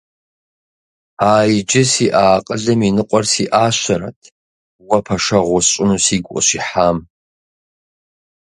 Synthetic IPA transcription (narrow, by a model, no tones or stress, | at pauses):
aːjid͡ʒɪsiʔaːqʼəɮɐminɨqʷʼɔrsiʔaːɕʷɐɾa̰tʰ | wɐpʰɐʂɐʁʷɔsɕʼʊnusiɡʷʼɔ̰ɕiħam